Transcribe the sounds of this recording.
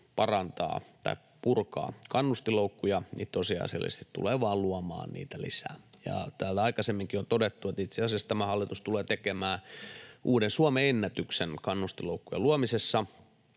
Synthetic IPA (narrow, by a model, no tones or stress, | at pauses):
pɑrɑnt̪ɑ̰ːt̪ɑ̰i | purkɑ̰ːkɑnːust̪iloukːujɑnḭːt̪ːosijɑ̰sḛlːḭst̪i̥t̪t̪ṵleʋɑːlluɑmɑ̰ːnnḭːt̪ælisæ̰ːjɑ̰t̪æːlt̪æɑikɑsemːiŋkiont̪odet̪ːuet̪it̪seɑsiɑst̪æmæhɑlːit̪ust̪uleːt̪ekemæːʔuːdensuomeenːæt̪yksenkɑnːust̪iloukːujḛluomisesːɑ